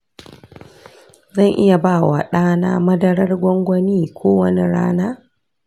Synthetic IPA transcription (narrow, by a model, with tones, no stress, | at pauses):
zɐ˦˨ŋʔɪ̰˦ja˨baː˦˨wa̰˨ɗaː˦naː˦mɐ˦dɐ˦ɽɐ˦rɡʷɔ˦ŋɡʷɐ˦niː˦kʷʰoː˦wɐ˦ni˦ɽa̰ː˦naː˦